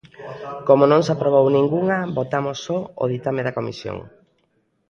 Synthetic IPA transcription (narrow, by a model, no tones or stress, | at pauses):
komonõŋsapɾoβownĩŋɡuŋɐbot̪amosːɔo̰ðit̪ameðakomḭsjo̰ŋ